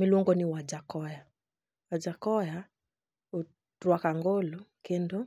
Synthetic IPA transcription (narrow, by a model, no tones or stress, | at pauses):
miluŋɡɔniwad͡ʒakɔja | wad͡ʒakɔja | u | ɾwakaŋɡolukendo